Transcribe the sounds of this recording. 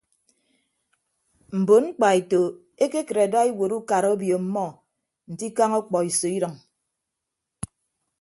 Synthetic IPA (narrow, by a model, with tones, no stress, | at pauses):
m̩˨bo˨nŋ͡m̩˦k͡pa˨e˨to˨ | e˦ke˦kə˨ɾe˨da˦e˦wo˨ɾu˦ka˨ɾo˦bjo˨m̩˦mɔ˦˨ | n̩˨ti˦ka˦ŋɔ˦k͡pɔ˨i˨so˨i˦ɾʌ˨ŋ